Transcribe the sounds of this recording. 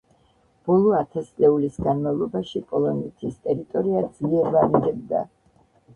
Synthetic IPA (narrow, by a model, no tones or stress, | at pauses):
b̥ɔlˠɔat̪ʰasʼlɛulisɡanmavlˠɔbaʃipʼɔlˠɔnɛt̪ʰist̪ʼɛɾit̪ʼɔɾiad̪z̥liɛɾvamid̪ɛbd̪a̰